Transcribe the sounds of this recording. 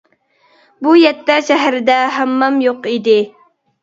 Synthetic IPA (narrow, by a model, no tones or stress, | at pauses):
bujɛt̪ːɛʃɛɦɾɪd̪ɛɦæmːɑmjoqid̪ɪ